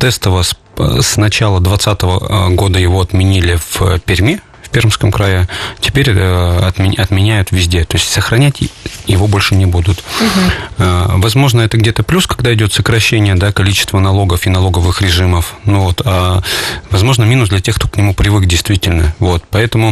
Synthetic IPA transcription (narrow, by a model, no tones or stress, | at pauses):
t̪ɛst̪əvəs | snɐt͡ɕalˠəd̪vɐt̪sat̪əvə̰ɡo̞d̪əjɪvo̞ɐt̪mʲɪnʲilʲɪfpʲɪɾʲmʲe | fʲpʲermskəmkɾajɪtʲɪ̥pʲeɾʲəɐt̪ʲɐt̪mʲɪnʲæjʊt̪vʲɪzʲdʲet̪o̞ɪsʲtʲsəxɾɐnʲætʲjɪvo̞bo̞lʲʂɨnʲɪbud̪ʊt̪ | vɐzmo̞ʐnəɛt̪əɡdʲet̪əplʲuskɐɡd̪aɪdʲo̞t̪səkɾɐɕːenʲɪjəd̪akɐlʲit͡ɕɪ̥st̪vənɐlˠo̞ɡəfɪnɐlˠo̞ɡəvɨxɾʲɪʐɨməfnuvo̞t̪a | vɐzmo̞ʐnəmʲinʊsd̪lʲɛtʲe̞xkt̪oknʲɪmupɾʲɪvɨkdʲɪjst̪vʲitʲɪlʲnəvo̞t̪pɐɛt̪əmʊ